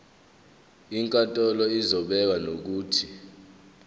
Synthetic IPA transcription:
iŋkʼatʼɔlɔizɔɓɛk̬anok̬uːtʰi

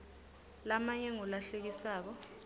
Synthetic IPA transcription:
lamaɲɛŋɔlaɬek̬isaːk̬ɔ

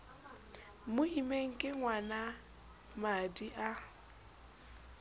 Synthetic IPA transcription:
mʊimeŋ̩kʼɪŋwana | madiʔa

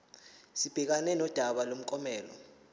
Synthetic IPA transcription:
sib̥ʱɛk̬anɛnɔd̥ʱaɓalom̩kʼɔmɛːlɔ̰

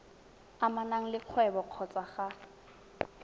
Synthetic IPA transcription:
amanaŋ̩lɪq͡χʰwɛbɔq͡χʰɔt͡sʼaχa

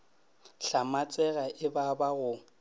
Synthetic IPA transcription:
ɬamat͡sʼɛɣaʔɪbabaɣʊ

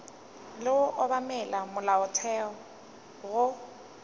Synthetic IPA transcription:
lɪʊʔɔbamɛlamʊlaʊtʰɛɔ | ɣʊ

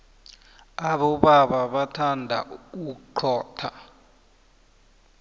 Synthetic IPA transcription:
aɓɔɓaɓaɓatʰandʱa̰uǃʰɔːtʰa

